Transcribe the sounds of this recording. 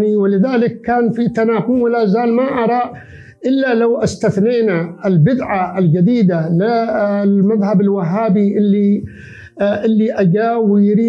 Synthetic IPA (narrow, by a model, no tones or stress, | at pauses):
niwɪlɪðaːlɪkːaːnfit̪anaːqʊmwɪlaːzaːlmaʔɑɾˤɑ | ʔɪlːalawʔast̪aθneːnaɪlbɪd̪ʕaɪld͡ʒad̪iːd̪alɪ | maðhabɪlwaɦːaːbiʔɪlːi | ʔɪlːiʔad͡ʒaːwɪjɾiː